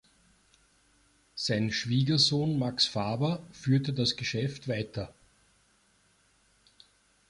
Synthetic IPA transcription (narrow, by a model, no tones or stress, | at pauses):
saɪnʃv̥iːɡɐzoːnmaksfaːbɐfyːɐtədasɡ̥əʃɛftvaɪtɐ